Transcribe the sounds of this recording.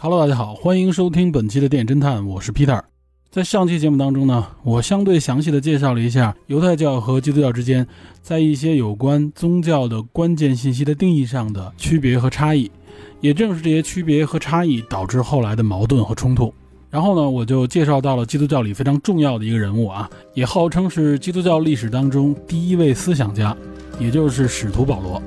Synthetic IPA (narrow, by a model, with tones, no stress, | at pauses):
xɑ˨˩lt̪a˥˧˩t͡ɕja˥˩xɑ˨˩˦ʊxwa˥ni˧˥ŋʂo˥ʊt̪ʰi˥ŋpə˨˩nt͡ɕʰi˧˥d̪ə˧t̪jɛ˥˩nʈ͡ʂə˥nt̪ʰa˥˩nwɔ˨˩ʂɻ̩˥˩pʰi˥t̪ʰə˞˨˩˦ | t͡sa˥˧ɪʂɑ˥˩ŋt͡ɕʰi˥t͡ɕjɛ˧˥mu˥˩t̪ɑ˥ŋʈ͡ʂʊ˥ŋnə˨wɔ˨˩ɕjɑ˥ŋt̪we˥˩ɪɕjɑ˧˥ŋɕi˥˩d̪ə˩t͡ɕjɛ˥˧ʂ̬ɑ˥˩ʊlə˩i˧˥ɕ̬ja˥˩jo˧˥ʊt̪ʰa˥˧ɪt͡ɕjɑ˥˩ʊxɤ˧˥t͡ɕi˥˧u˥t͡ɕjɑ˥˧ʊʈ͡ʂɻ̩˥t͡ɕjɛ˥nt͡sa˥˧ɪi˥˩ɕ̬jɛ˥jo˨˩ʊkwa˥nt͡sʊ˥ŋt͡ɕjɑ˥˩ʊd̪ə˩kwa˥nt͡ɕjɛ˥˧nɕ̬i˥˩nɕ̬i˥d̪ə˨t̪i˥˧ŋi˥˧ʂɑ˥˩ŋd̪ə˩t͡ɕʰy˥pjɛ˧˥xɤ˧˥ʈ͡ʂʰa˥i˥˩ | jɛ˨˩ʈ͡ʂɤ˥˧ŋʂɻ̩˥˧ʈ͡ʂɤ˥˩ɕjɛ˥t͡ɕʰy˥pjɛ˧˥xɤ˧˥ʈ͡ʂʰa˥i˥˩t̪ɑ˨˩ʊʈ͡ʂɻ̩˥˧xo˥˩ʊla˧˥ɪd̪ə˧mɑ˧˥ʊt̪̬wə˥˩nxɤ˧˥ʈ͡ʂʰʊ˥ŋt̪ʰu˥˩ | ɻa˧˥nxo˥˩ʊnə˩wɔ˨˩t͡ɕjo˥˧ʊt͡ɕjɛ˥˧ʂɑ˥˧ʊt̪ɑ˥˩ʊlə˩t͡ɕi˥t̪̬u˥t͡ɕjɑ˥˩ʊli˨˩fe˥ɪʈ͡ʂʰɑ˧˥ŋʈ͡ʂʊ˥˧ŋjɑ˥˩ʊd̪ə˩i˧˥ɡə˧ɻə˧˥nu˥˩ɐ˩ | jɛ˨˩xɑ˥˩ʊʈ͡ʂʰɤ˥ŋʂɻ̩˥˩t͡ɕi˥t̪u˥t͡ɕjɑ˥˧ʊli˥˩ʂɻ̩˨˩t̪ɑ˥ŋʈ͡ʂʊ˥ŋt̪i˥˩i˥we˥˩ɪsɹ̩˥ɕ̬jɑ˨˩ŋt͡ɕja˥ | jɛ˨˩t͡ɕjo˥˧ʊʂɻ̩˥˩ʂɻ̩˨˩t̪ʰu˧˥pɑ˨˩ʊlwɔ˧˥